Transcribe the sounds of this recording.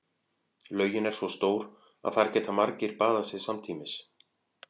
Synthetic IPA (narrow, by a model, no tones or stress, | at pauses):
lœːɥjʏnɛɾ̥svɔst̪oːwɾ | a̰ðfaːɾcɛːt̪amaɾcɪɾpaːðasɪðsamt̪ʰiːmɪs